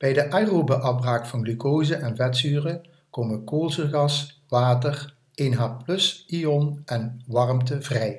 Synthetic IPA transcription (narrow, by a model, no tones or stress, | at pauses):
b̥ɛjdəʔajroːbaʔɑfbraːkfɑnɡlykowzəʔɛnvɛtsyːrə | koːməkoːlˠzəɣɑsʋaːtər | enɦaːplɵsiɔnɛnʋɑrmtəvrɛj